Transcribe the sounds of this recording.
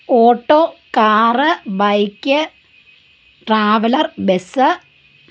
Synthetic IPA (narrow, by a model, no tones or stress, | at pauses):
oːʈːoːkaːrɨbɐjkʲːɨ | ʈraːʋɐlɐrbesɨ